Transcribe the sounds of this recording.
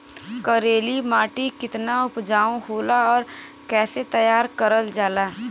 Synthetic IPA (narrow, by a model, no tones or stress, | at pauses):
kəɾeːlimaːʈikɪt̪naʊpd͡ʒaːõɦoːlaɔːɾ | kɛːset̪əjaːɾkəɾəld͡ʒaːlaː